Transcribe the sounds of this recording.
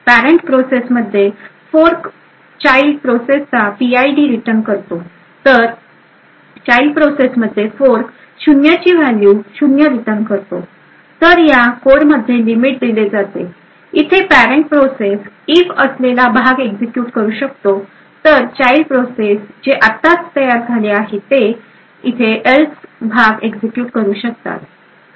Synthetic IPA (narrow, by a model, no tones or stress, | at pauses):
pæɾeɳʈpɾosesməd̪ʱːjefoɾk | t͡ɕailɖpɾosest͡sːapiaiɖiɾiʈəɾnkəɾt̪o | t̪əɾ | t͡ɕailɖpɾosesməd̪ʱːjefoɾk | ɕunjat͡ɕiːʋæljuːɕunjəɾiʈəɾnkəɾt̪o | t̪əɾjakoɾməd̪ʱjelimiʈ̚d̪iled͡zat̪e | it̪ʰepæɾeɳʈ̚pɾoses | ifəslelabʱaɡeɡd͡zekjuːʈkəɾuːɕəkt̪o | t̪əɾt͡ɕailpɾosesd͡ʑeʔat̪ːat͡st̪əjaɾd͡zʱaleaɦet̪e | it̪ʰeʔelsbʱaɡeɡd͡zekjuːʈkəɾuːɕək̚t̪a̰t̪